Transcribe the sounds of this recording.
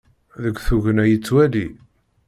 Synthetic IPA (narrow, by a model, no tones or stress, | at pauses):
ðəɡʷθuʝənæjət͡sːwæli